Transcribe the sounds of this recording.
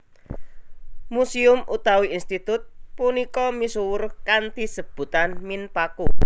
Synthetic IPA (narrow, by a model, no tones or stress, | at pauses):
musiʊmʔut̪awiinst̪it̪ʊt̪̚punikɔmisuwʊrkant̪isəb̥ṳt̪anminpaku